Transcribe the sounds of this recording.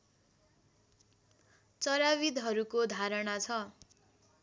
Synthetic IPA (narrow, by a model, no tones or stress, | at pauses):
t͡sʌɾawid̪ɦʌɾukod̪ʱaɾʌɽat͡sʰʌ